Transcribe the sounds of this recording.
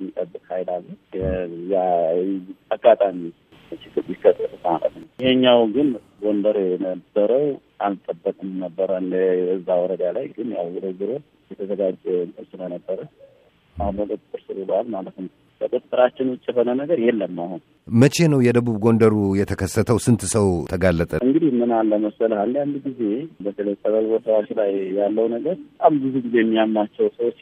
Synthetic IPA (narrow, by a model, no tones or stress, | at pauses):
jik̪ʼəbːɨkʼhajd̪alː | ja | aɡːat̪ʼami | t͡ʃɪɡɨɾjikːət̪ʼːɨɾʼɨmalə̰t̪nəwjɪheɲːawɡɨn | ɡo̞nd̪əɾjɛnəbːəɾəwʔalt̪ʼəbːəkʼɨmnəbːəɾənɨzːawɔɾəd̪alajɡɨnja̰wɨd̪ɨɡɨɾo | jɛt̪ʰəzəɡad͡ʒʼɛnʼɨɾsɨlənəbːəɾə | ʔahnokʼət̪ʼt̪ʼɨɾsɨɾulalmalət̪n | kʰəkʼut̪ʼːɨɾat͡ʃːɪnʊt͡ʃʼːɛfənənəɡəɾjɛlːəmːahun | mət͡ʃʰe̞nəwjɛd̪əβuβɡo̞nd̪əɾujɛt̪ʰəkʰəsːət̪ʰəwsɨnt̪ʰsəwt̪ʰəɡalːət̪ʼəɨŋɡɨd̪ihmɨnalːəməsəlhand̪jand̪uɡize̞bət̪ʰələjt̪ʼəβəlwɔt̪awaʃlajjalːəwnəɡəɾbət̪ʼambɨzuɡizejɛmːiamːat͡ʃːɛwsəwot͡ʃː